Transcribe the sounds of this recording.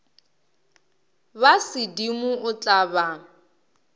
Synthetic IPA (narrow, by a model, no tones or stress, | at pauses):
basɪdimʊʔʊt͡ɬʼaba